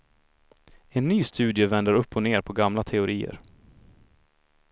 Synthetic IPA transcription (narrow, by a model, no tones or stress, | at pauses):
ɛnːyːst̪ʉ̟ːd̪jəvɛnd̪əɾɵpːɔneːɾpʰɔɡamlat̪ʰɛʊɾiːə̰ɾ